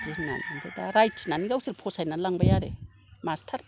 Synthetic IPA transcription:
zina̰nandedaɾajtsinaniɡawsiɾpʰosajnalaŋbajaɾḛ | mastʰaɾ

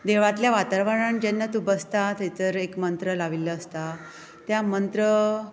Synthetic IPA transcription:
d̪eʋ̤at̪ljaʋat̪aɾʋəɽaɳd͡ʑenːət̪ubəst̪at̪et̪əɾekmənt̪ɾəlaʋilːəəst̪a | t̪jamənt̪ɾə

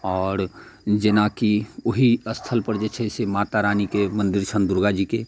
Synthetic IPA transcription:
ɔːɾd͡ʒenakioɦiəst̪ʰəlpəɾd͡ʒet͡ʃʰɛsemaːt̪aɾaːnikemə̃nd̪iɾt͡ʃʰənd̪ʊɾɡad͡ʒike

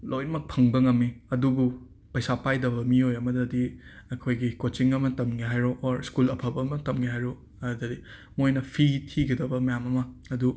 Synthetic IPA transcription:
lʔojnmɐk̚pʰɐŋbɐŋɐmːiɐdubu | pɐjsapajdɐbɐmiojɐmɐdɐdiɐkʰojɡikot͡ʃiŋɐmɐtɐmɡiɦajɾoʔːɾskulɐpʰɐpɐmɐtɐmɡiɦajɾo | ɐdɐdi | mojnɐpʰitʰiɡɐdɐbɐmɐjamɐmɐːdu

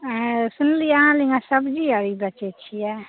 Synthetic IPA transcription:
sunlijaɦãliŋɡasəbd͡ʒiəɾibət͡ʃɛt͡ʃʰijɛ

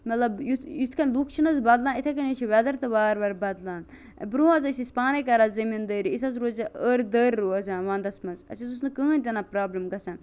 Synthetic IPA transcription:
mɐt̪lɐbjut̪jut̪ʰkɐnlukʰt͡ʃʰinɐzbɐd̪laːnit̪ʰɐkɐnət͡ʃʰiʋɛd̪ɐɾt̪ɐbaːɾbɐɾbɐd̪laːn̰ | bɾuːɐzɐsispaːnɐkɐɾazɐmind̪əːɾiisɐzɾoːzɐəːɾʲd̪əːɾʲːuːɐzaːnʋãːnd̪ɐsmɐnzɐ̰sit̪us̬nɨkəːnʲt̪ʲɐnapɾaːblɐmɡɐsaːn

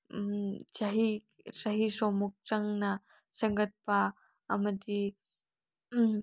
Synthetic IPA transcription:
t͡ʃaɦi | saɦisomuk̚t͡saŋna | səŋɡət̪̚paː | məd̪i

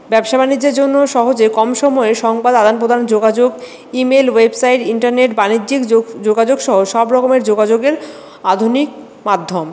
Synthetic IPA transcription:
bɛbʃabʱanid͡ʑːeɾd͡ʑonːoʃɔɦod͡ʑekɔmʃɔmɔeʃɔŋbad̪ad̪anpɾod̪ʱand͡ʑoɡad͡ʑoɡ | imelwebsajʈiɳʈaɾneʈbanidːd͡ʑikd͡ʑoɡad͡ʑoɡʃɔɦoʃɔbɾɔkomeɾd͡ʑoɡad͡ʑoɡeɾ | ad̪ʱunik̚ | mad̪ʱːom

